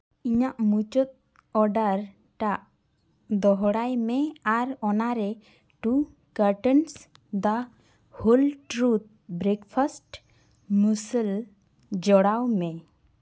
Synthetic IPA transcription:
iɲaʔmut͡ʃɔt̪̚ | ɔɖaɾ | ʈaʔ | d̪ɔɦɔɽajmɛaɾɔnaɾɛ | ʈu | kəɾʈɔns | d̪a | hulʈɾut̪̚bɾɛkpʰasʈ | musəl | d͡ʒɔɽawmɛ

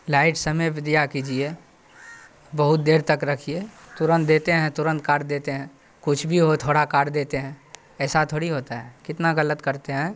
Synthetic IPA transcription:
laːɪʈsəməjbɪd̪ijakiːd͡ʒie | bəɦʊt̪̚d̪eːɾt̪əkɾɐkʰiet̪ʊɾə̃nt̪̚d̪eːt̪eɦɛ̃t̪ʊɾə̃nt̪̚kaːɾʈd̪eːt̪eɦɛ̃ | kʊt͡ʃʰbʱiɦot̪ʰoːɽakaːɾɖd̪eːt̪eɦɛ̃ | ɛːsat̪ʰoːɽiɦoːt̪aɦɛkɪt̪naɣələt̪kəɾt̪eɦɛ̃ː

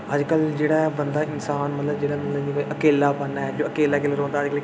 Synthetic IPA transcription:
əd͡ʒkəld͡ʒeːɽaːbənd̪aːɪnsaːnmət̪ləbd͡ʒeːɽaːmət̪ləd͡ʒiːkoiʔəkeːlaːbənːaːɛd͡ʒoːəkeːlaːkeːlaːɾõːnd̪aːd͡ʒkəl

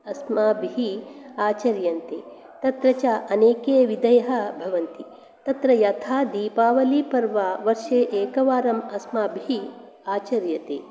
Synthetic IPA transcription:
ɐsmaːbʱiɦiaːt͡ʃɐɾjɐnt̪eː | t̪ɐt̪ɾɐt͡ʃaʔɐneːkeːʋid̪ɐjɐɦɐ̆bʱɐʋɐnt̪i | t̪ɐt̪ɾɐjɐt̪ʰaːd̪ipaːʋɐliːpɐɾʋaːʋɐɾʃeːʔeːkɐʋaːɾɐmɐsmaːbʱiɦi | aːt͡ʃɐɾjɐt̪ḛː

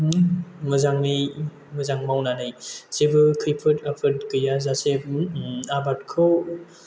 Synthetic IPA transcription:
mɯzaŋnɯj | mɯzaŋmawnanɯjsebɯkʰɯjpʰɯtapʰɯɾt̚kɯjazase | abat̚kʰɯ

